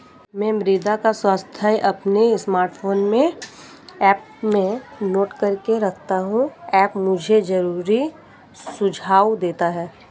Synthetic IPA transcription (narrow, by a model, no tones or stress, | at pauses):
mɛ̃ːmɾiːd̪akaswaːst̪ʰaːjʔɐpnesmaːɾʈfʰoːnmẽ | ɛːp | mẽnoːʈkɐɾkeɾɐkʰt̪aɦũɛːpmʊd͡ʒʱed͡ʒɐɾuːɾi | sʊd͡ʒʱaːwd̪eːt̪aɦɛː